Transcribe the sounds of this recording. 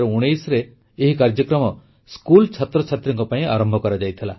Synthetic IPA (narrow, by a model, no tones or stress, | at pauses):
ɾɔuɽ̃ejsɾeː | ɦikaɾd͡ʒɔkɾɔmɔ | skult͡ʃʰat̪ɾɔt͡ʃʰat̪ɾɔŋkɔpaĩa̰ɾɔmbʱɔkɔɾad͡ʒajt̪ʰila